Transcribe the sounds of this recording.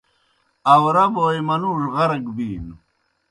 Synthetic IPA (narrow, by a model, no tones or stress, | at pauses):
ɐwɾɐboːjmɐnuʐʁɐɾɡbiːn